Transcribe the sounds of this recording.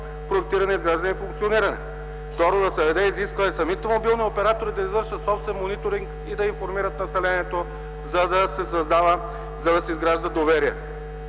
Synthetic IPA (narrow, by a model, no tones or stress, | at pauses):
pɾoɛk̚t̪iɾɐnɛizɡɾaʒd̪ɐnɛifuŋkt̪sioniɾɐnɛ̰ | ft̪ɔɾod̪ɐsɛvɛd̪ɛiziskvəɛsɐmit̪ɛmobilˠniopɛɾat̪oɾid̪ɐizvɤɾʃət̪sɔpst̪vɛnmonit̪oɾiŋk | id̪ɐiɱfoɾmiɾət̪nɐsɛlɛniɛt̪o | zɐd̪ɐsɛsɐzd̪avə | zɐd̪ɐsɛizɡɾaʒd̪əd̪ovɛɾiɛ